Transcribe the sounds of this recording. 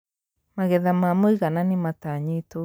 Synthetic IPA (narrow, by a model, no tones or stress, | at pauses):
maɣɛðamamoiɣananimataɲito